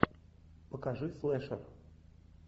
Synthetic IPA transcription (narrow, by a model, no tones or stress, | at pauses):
pəkaʐɨflˠɛʂə̰r